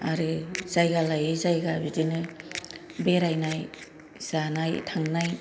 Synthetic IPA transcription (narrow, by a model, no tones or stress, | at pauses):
aɾɯz̥ajɡalajɯzajɡabidinɯ | beɾajnaj | sanajtʰaŋnaj